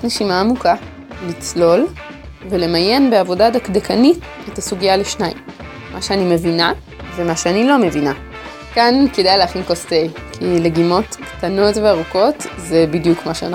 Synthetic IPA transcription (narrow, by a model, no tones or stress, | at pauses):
neʃimaːmuka | lit͡slo̞l | vele̞maje̞nbeavo̞dadakdekʰanit | etasuɡijaleʃnaimː | ʔaʃeanime̞vina | vemaʃeanilo̞me̞vina | kankedajleaχinko̞stej | kʰileɡimo̞tktano̞tveaʁuko̞tze̞bidjukmaʃea̰na